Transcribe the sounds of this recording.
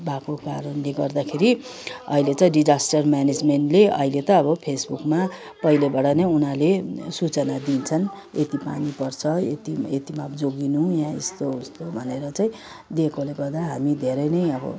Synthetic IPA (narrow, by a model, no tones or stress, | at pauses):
bakokaɾʌnleɡʌrd̪akʰeɾi | ʌ̰ɦilet̪ʌɖid͡zasʈʌrmjaned͡zmeɳʈleʌ̰ɦilet̪ʌːbʌpʰesbukma | pʌilebaɽanʌjunalesut͡sʌnad̪int͡sʰʌn | et̪ipa̰nipʌrt͡sʰʌḛt̪iet̪imabd͡zoɡinujãest̪ost̪obʱʌneɾʌt͡saĩ | d̪ekʰoleɡʌrd̪aɦamid̪ʱeɾʌjnʌjʌbʌ̰